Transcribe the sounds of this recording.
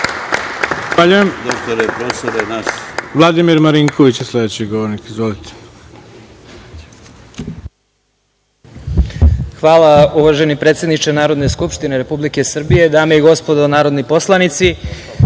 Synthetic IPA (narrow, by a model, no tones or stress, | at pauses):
xaʎujemd̪ost̪oɾepɾosad̪anasʋlˠad̪imiɾmaɾiŋkʰoʋit͡ɕslˠed̪et͡ɕiɡoʋoɾnikizʋolit̪ʰe̥ | xʋaːlˠauʋaʒe̞nipɾet̪se̞d̪nit͡ʃenaːɾo̞d̪ne̞skupʃt̪ineɾepublike̞sr̩bije̞d̪aːmejeɡo̞spod̪onaːɾo̞d̪nipo̞slˠanit̪si